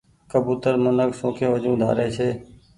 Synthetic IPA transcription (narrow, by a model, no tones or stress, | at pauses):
kəbuːt̪əɾmənəksõːkʰẽːʋəd͡ʒũːd̪ʱa̰ːɾeːt͡ʃʰeː